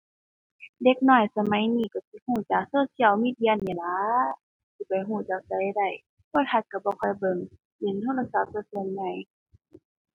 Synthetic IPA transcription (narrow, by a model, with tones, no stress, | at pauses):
de˧˦k̚nɔː˧˩jsa˧ma˧˦jniː˧˩ka˧˩si˧˦huː˧˩˨t͡ɕaː˨˩k̚soː˧˩˨si˧˨˩əwmiː˧˥˨di˧˨ə˨nːi˧˨˩la˨˦ | si˧˦pa˨˩jɦuː˧˩t͡ɕaː˨˩k̚sa˧˦˧da˧˩j | pʰu˧˨t̪ha˧˥t̪̚ka˧˩bɔː˧˦kʰɔ˧˩jbɤ˧˩ŋ | de˨˦nt̪ʰo˧˥˨la˧sa˧˦p̚sɤː˧˩˨sɯ˧ə˨nːa˧˩˨j